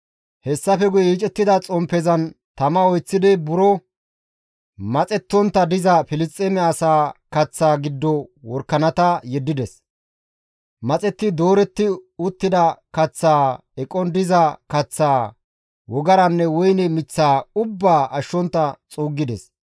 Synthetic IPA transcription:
hɛsːɐfɛɡʊjɛiːt͡ʃʼɛt̪ːɪd̪ɐt͡sʼɔmpɛzɐnt̪ɐmɐɔjt͡sːɪd̪ɪbʊɾɔ | mɐt͡sʼɛt̪ːɔnt̪ːɐd̪ɪzɐfɪlɪst̪ʼɛmɛɐsaːkɐt͡sːaːɡɪd̪ːɔwɔɾkːɐnɐt̪ɐjɛd̪ːɪd̪ɛs | mɐt͡sʼɛt̪ːɪd̪o̞ːɾɛt̪ːɪʊt̪ːɪd̪ɐkɐt͡sːaː | ɛkʼːɔnd̪ɪzɐkɐt͡sːaː | wɔɡɐɾɐnːɛwɔjnɛmɪt͡sːaːʊbːaːʔɐʃːɔnt̪ːɐt͡sʼuːɡːɪd̪ɛs

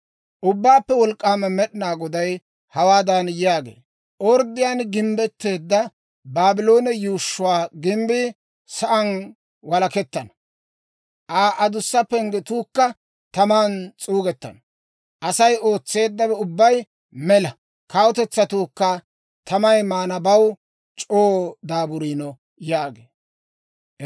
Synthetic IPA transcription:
ʔʊbːaːpːɛwɔlkʼːaːmɐmɛɗɪnaːɡɔd̪ɐj | hɐwaːd̪ɐnjjaːɡḛː | ʔɔɾd̪ɪjaːnɡɪmbɛt̪ːe̞ːd̪ːɐ | baːbɪlo̞ːnɛjuːʃːʊwaːɡɪmbɪ | sɐʔɐn | wɐlɐkɛt̪ːɐn | ʔaːʔɐd̪ʊsːɐpːɛŋɡɛt̪uːkːɐ | t̪ɐmaːnt͡sʼuːɡɛt̪ːɐ̰n | ʔɐsɐjoːt͡sːe̞ːd̪ːɐbɛʊbːɐj | mɛlɐ | kɐwɔt̪ɛt͡sːɐt̪uːkːɐ | t̪ʰɐmɐjmaːnɐbɐw | t͡ʃʼoːd̪aːbʊɾiːnɔ | jaːɡe

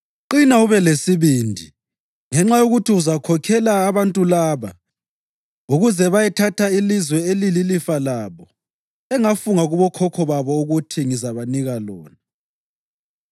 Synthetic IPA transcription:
ǃinauβɛlesiβiːndʱi | ŋɛŋ͡ǁajoɣutʰiuzakʰɔkʰɛlaːβantʼulaːβa̰ | uɣuzɛβajɛtʰatʰailizwɛelililifalaːβɔ | ɛŋafuŋaɣuβɔkʰɔkʰɔβaβɔuɣutʰiŋizaβaniɣalɔːna

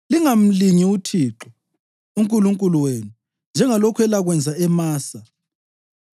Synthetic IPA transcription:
liŋam̩liɲiutʰiːǁɔ | uŋkʼuluŋkʼuluweːnu | nd͡ʒʱɛŋalɔkʰwɛlaɣwɛnd͡zʱaɛmaːsa

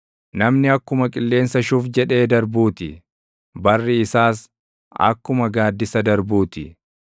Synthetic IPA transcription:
nɐmnɪɐkːʊmɐkʼɪlːe̞ːnsɐʃufd͡ʒɛᶑe̞ːd̪ɐɾbuːt̪ɪ | bɐrːɪɪsaːs̬ | ɐ̰kːʊmɐɡaːd̪ːɪsɐd̪ɐɾbuːt̪ɪ

